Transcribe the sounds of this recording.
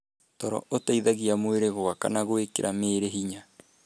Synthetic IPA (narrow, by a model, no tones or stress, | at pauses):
tɔɾɔ̰otaiðaɣiamoeɾeɣoaka̰naɣoekḛɾʔameːɾeɦiɲa